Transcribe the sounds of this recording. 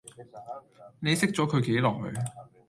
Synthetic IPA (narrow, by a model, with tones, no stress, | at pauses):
ne˨˧jsɪ˥k̚t͡sɔː˨˥kʰɵ˨˧ɥke˨˥jlɔː˨˩ŋ̚lɵ̰˨˧